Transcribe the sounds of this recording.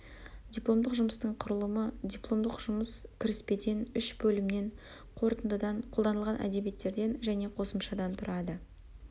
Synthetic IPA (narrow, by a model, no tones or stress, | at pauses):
d̪ʲijplˠo̞md̪əqʒʊməst̪əɴqʰʊɾəlˠəməd̪ʲijplˠo̞md̪əqʒ̥ʊməskʲʰɪɾɪspe̞d̪e̞nʏʃbɵlɪmne̞ɴ | qʰo̞ɾt̪ənd̪əd̪ɑɴqʰolˠd̪ɑnəlˠʁɑnʔæ̰d̪e̞bije̞t̪ːe̞ɾd̪e̞nʒæne̞qʰo̞səmʃɑd̪ɑnt̪ʰʊɾɑd̪ə